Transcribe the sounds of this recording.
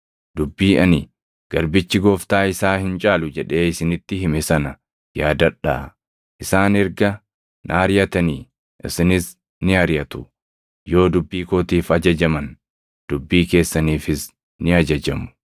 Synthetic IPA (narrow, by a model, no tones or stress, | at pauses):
d̪ʊbːiːʔɐnɪ | ɡ̥ɐɾbɪt͡ʃːɪɡoːft̪aːɪsaːhɪnt͡ʃʼaːlʊd͡ʒɛᶑe̞ːɪsɪnɪt̪ːɪhɪmɪsɐnɐ | jaːd̪ɐᶑːa̰ː | ʔɪsaːnɪɾɡɐ | nʔaːɾjɐt̪ɐniː | ʔɪ̰sɪnɪs | nɪɐɾɪjɐt̪ʊ̥ | jo̞ːd̪ʊbːiːkoːt̪iːfɐd͡ʒɐd͡ʒɐmɐn | d̪̥ʊbːiːke̞ːsːɐniːfɪs | nɪɐd͡ʒɐd͡ʒɐmʊ̥